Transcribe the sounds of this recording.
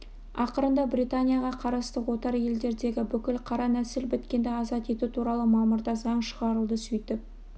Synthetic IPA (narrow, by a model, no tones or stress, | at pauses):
ɑqəɾənd̪ɑbɾijt̪anʲijaʁɑqʰɑɾɑst̪əwo̞t̪ɑɾje̞ld̪e̞ɾd̪e̞ɡʲɪbʏkʲɪlqʰɑɾɑnæsɪlbɪt̪kʲe̞nd̪eɑzɑt̪e̞t̪ut̪ʰuɾɑlˠəmɑməɾd̪ɑzɑɴʃəʁɑɾəlˠd̪əsʏjt̪ɪp̚